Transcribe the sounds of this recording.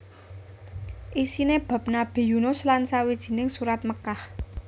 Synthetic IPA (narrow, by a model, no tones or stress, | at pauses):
ʔisineb̥a̤p̚nab̥e̤junʊslansawid̥ʒ̥i̤nɪŋsuɾat̪̚məkah